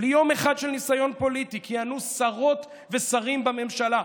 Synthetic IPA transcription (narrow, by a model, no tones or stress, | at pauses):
lijo̞meχad̪ʃelnisajo̞npo̞lit̪ikianusaʁo̞t̪ | vesaʁimbame̞mʃala